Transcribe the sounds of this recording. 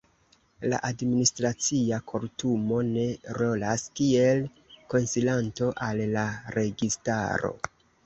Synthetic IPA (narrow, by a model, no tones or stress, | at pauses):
la̰ʔadministɾat͡siakʰo̞ltumo̞ne̞ɾo̞laskie̞l | ko̞nsilanto̞ʔalːaɾe̞ɡista̰ɾo̞̰